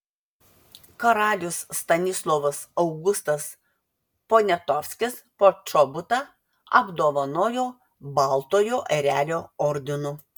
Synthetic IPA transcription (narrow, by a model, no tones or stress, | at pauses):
kɐɾɑːlʲʊsːt̪ɐnʲɪslˠoʋɐsɐʊɡʊst̪ɐs | ponʲɛt̪ɔfʲsʲkʲɪspot͡ʃɔbʊt̪ɑ | ɐbd̪oːʋɐnoːjoː | bɑˑlˠt̪oːjoːʔɐɾʲæːlʲoːɔɾʲd̪ʲɪnʊ